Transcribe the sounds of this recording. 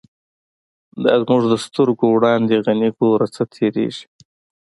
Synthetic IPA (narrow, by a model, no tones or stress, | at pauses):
d̪ɑ̰zmuʐd̪əst̪ʊɾɡowɽɑːnd̪eɣaniɡoɾat͡sət̪ʰeɾḛʒi̥